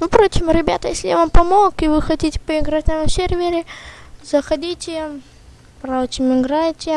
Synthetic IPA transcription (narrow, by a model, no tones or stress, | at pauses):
pɾo̞t͡ɕɪmɾʲɪbʲat̪əjesʲlʲɪjavampɐmo̞kɪvɨxɐtʲitʲɪ̥pəɪɡɾatʲamsʲervʲɪɾʲɪzəxɐdʲitʲɪ | pɾatʲɪmɪɡɾajtʲɪ